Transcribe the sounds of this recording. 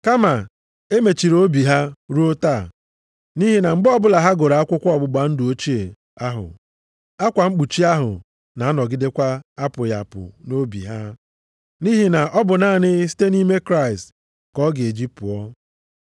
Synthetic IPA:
ka˦ma˨ | e˦me˨t͡ʃi˨ɾo˦bi˨ɦa˦ɾu˦o˦ta˦˨ | ni˦ɦi˦na˨ŋ͡m̩˦ɡ͡bɔ˦bʊ˦la˨ɦa˦ɡo˨ɾa˨a˦kʷʊ˦kʷɔ˦ɔ˨bʊ˨ɡ͡ba˨n̩˦dʊ˨o˦t͡ʃi˦e˨ | a˦ɦʊ̰˨ | a˦kʷa˨ŋ͡m̩˦k͡pu˨t͡ʃi˦a˦ɦʊ̰˨ | na˨a˦nɔ˨ɡɪ˦de˦kʷa˦a˦pʊ˨ja̰˨pʊ̰˨no˦bḭ˨ɦa˦ | ni˦ɦi˨na˨ʔɔ˦bʊ˨naː˦˨nɪ˦si̥˦te˦ni˦me˦kɾa˦˨ɪ˨st | kɔ˦ɡɪ˨e˨d͡ʒi˦pʊ̰˨ɔ˦

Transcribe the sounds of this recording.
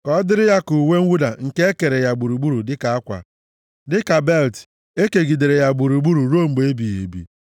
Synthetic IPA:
kɔ˦dɪ˦ɾɪ˦ja˦ku˨we˦ŋ̩˦u˦da˨ŋ̩˨ke˦e˦ke˨ɾe˨ja˨ɡ͡bu˨ɾu˨ɡ͡bu˦ɾu˨dɪ˦ka˨a˦kʷa̰˨ | dɪ˦ka˨be˦˨lt | e˦ke˨ɡi˨de˨ɾe˨ja˨ɡ͡bu˨ɾu˨ɡ͡bu˦ɾu˨ɾo˦˨m̩˨ɡ͡be˦bi˨jḛ˨bḭ˨

